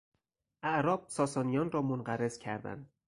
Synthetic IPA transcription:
ʔæʔɾɒːb̥̚sɒːsɒːnijɒːnrɒːmonɢæɾez̥cʰæɾd̪æ̰nd̪̚

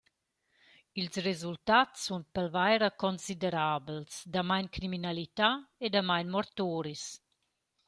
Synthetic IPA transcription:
ilsrezult̪atsunpɛlvajɾakɔnsid̪ɛɾaːbəlsd̪amajnkɾiminalit̪aed̪amajnmɔɾt̪oːɾis

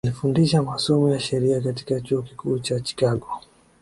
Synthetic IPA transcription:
alifundiʃamasɔmɔjaʃɛɾiakati̥kat͡ʃuɔki̥kʰuːt͡ʃat͡ʃi̥kaɠɔ

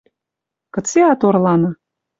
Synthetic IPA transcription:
kɤ̆t͡seɑt̪orlɑnɤ̆

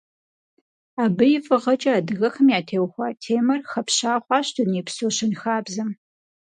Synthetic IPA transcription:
aːbɨjɪvɨʁɐt͡ʃʼɐaːdɨɣɐxɐmjaːtʰeːwxʷɐtʰeːmɐrxɐpɕaːχʷɑːɕtʰʊniːpsoːɕɪnxaːbzɐm

